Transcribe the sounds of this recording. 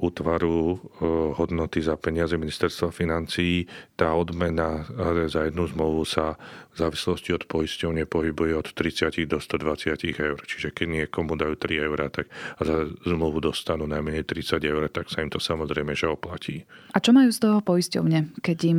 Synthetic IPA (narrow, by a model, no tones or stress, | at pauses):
uːt̪ʋaɾu | ɦɔd̪nɔt̪izapɛɲɪad͡zɛminist̪ɛɾst̪ʋafinant͡sijit̪aːɔd̪mɛnazajɛd̪nuzmluʋusavzaːʋislɔsciɔt̪pɔjiscɔʊɲɛpɔɦibujɛɔt̪ːɾit͡sɪaciɣd̪ɔst̪ɔd̪ʋat͡sɪaciɣɛʊrt͡ʃiʒɛkɛɟɲɪɛkɔmud̪ajuːt̪ɾiɛʊɾat̪akzazmluʋud̪ɔst̪anuːnajmɛɲɛjt̪ɾit͡saɟɛʊɾt̪aksaimt̪ɔsamɔzɾɛjmɛʒɛɔplacʰiːʔat͡ʃɔmajuːst̪ɔɦɔpɔjiscɔ̰ʊɲɛkɛɟim